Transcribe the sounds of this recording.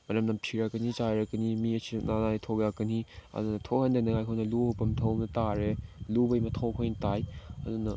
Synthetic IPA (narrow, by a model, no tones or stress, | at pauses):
mɐɾɐmnɐmpʰiɾakɐnit͡ʃajɾɐkɐnimiɐsʰinanajtʰoɡjakɐniɐ̰dunɐtʰowhɐndɐnɐŋajkʰojnɐluowpɐmtʰɐwmnɐtaɾelubɐjmɐtʰowkʰojnɐtajɐ̰dunːɐ